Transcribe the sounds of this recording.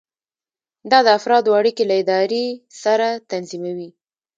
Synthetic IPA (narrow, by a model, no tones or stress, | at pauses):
d̪ɑd̪əafɾɑd̪waɽikelaɪd̪ɑɾesaɾat̪anzimawi